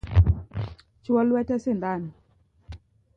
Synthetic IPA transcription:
t͡ʃwɔlwɛtɛsɪnd̪an

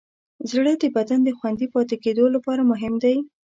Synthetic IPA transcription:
zɽəd̪əbad̪and̪əxwand̪ipɑt̪eked̪olapɑɾamʊɦɪmd̪aj

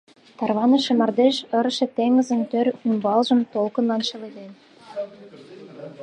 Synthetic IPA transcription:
t̪ɑrβɑnə̆ʃĕmɑrd̪eʃə̆ɾ̆ʃĕt̪eŋə̆zə̆nt̪øɾymbɑlʒə̆mt̪olkə̆nlɑnʃɤ̆led̪en

